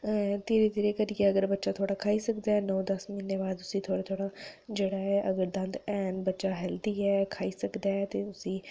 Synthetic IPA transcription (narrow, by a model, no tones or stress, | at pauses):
t̪eːɾet̪eːɾekəɾikeəɡəɾbətːʃaːt̪ʰoːɽaːkʰaːiːsəkd̪aːɛːnɔ̃ːd̪əsminːeːbaːd̪ʊsĩt̪ʰoːɽaːt̪ʰoːɽaːd͡ʒeːɽaːɦɛːʔəɡəɾd̪ə̃nd̪ɛːnbətːʃaːɦɛːld̪iːɛːkʰaːiːsəkd̪aːɦɛːt̪eːʊsĩː